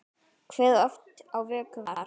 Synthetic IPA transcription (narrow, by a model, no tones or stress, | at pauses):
kʰvɛðɔft̪awvɛːkʏv